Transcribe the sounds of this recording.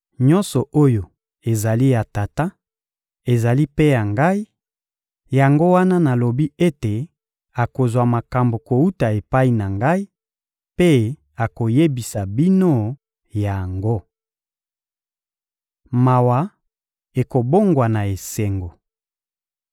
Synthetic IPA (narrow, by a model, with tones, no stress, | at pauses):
ɲɔ̃˦nsɔ˨ʔo˦jo˨ | e˨za˨li˦ja˨ta˨ta˦ | e˨za˨li˦pe˦ja˨ŋɡa˦i˦ | ja˨ŋɡo˦wa˦na˦na˨lo˨bi˦e˦te˨ | a˨ko˨zwa˨ma˨ka˨mbo˨ko˨u˦ta˨e˨pa˦i˨na˨ŋɡa˦i˦ | pe˦ | a˨ko˨je˦bi˨sa˨bi˦no˦ | ja˨ŋɡo˦ | ma˨wa˨ | e˨ko˨bo˦ŋɡwa˨na˨e˨se˨ŋɡo˨